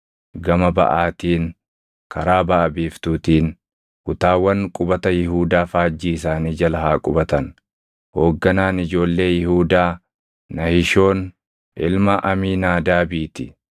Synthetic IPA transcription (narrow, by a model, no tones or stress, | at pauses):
ɡɐmɐbɐ̰ʔaːt̪iːn | kɐɾaːbɐʔɐbiːft̪uːt̪iːn | kʊt̪aːwːɐŋkʼʊbɐt̪ɐjɪhuːd̪aːfaːd͡ʒːiːɪs̬aːniːd͡ʒɐlɐhaːkʼʊbɐt̪ɐn | ho̞ːɡːɐnaːnɪd͡ʒo̞ːlːe̞ːjɪhuːd̪aː | nɐhɪʃo̞ːn | ʔɪlmɐʔɐmiːnaːd̪aːbiːt̪ɪ